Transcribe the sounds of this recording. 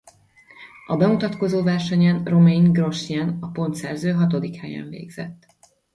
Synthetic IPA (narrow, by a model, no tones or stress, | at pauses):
ɒbɛmut̪ɒt̪ko̞zoːvɛrʃɛɲɛnro̞meŋɡro̞ʃjɛnɒpo̞nt̪sɛrzøːɦɒt̪o̞d̪ikhɛjɛ̰ɱvḛːɡz̥ɛ̰t̪ː